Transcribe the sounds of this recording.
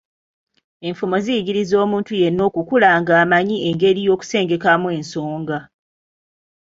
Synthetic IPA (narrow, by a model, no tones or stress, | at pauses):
e̞ɱfumo̞zijiɟiɾizo̞ːmuːntujenːo̞ːkukulaŋɡaːmaɲie̞ŋɡe̞ɾijo̞ːku̥se̞ːŋɡe̞kamwe̞nso̞ːŋɡa